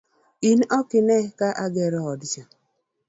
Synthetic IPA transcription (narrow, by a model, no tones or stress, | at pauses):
inɔkɪnɛkaʔaɡɛɾɔɔdit͡ʃa